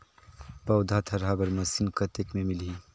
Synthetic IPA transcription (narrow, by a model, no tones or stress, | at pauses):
pɐwd̪ʱat̪ʰɐɾɦabəɾmɐsinkət̪ekmemilɦi